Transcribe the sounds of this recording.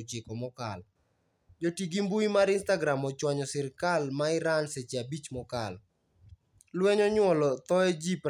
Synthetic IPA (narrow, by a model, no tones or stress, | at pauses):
t͡ʃɪkɔmɔkal | d͡ʒotiɡimbuimaɾɪnstaɡɾamɔt͡ʃwaɲɔsɪɾkalmaɪɾanset͡ʃiabit͡ʃmɔkal | lwɛɲɔɲwɔlɔt̪ɔed͡ʒip